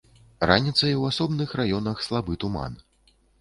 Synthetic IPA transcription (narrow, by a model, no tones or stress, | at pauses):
ranʲit̪sɐjwasɔbnɨxrajɔnɐxslˠabɨt̪uma̰n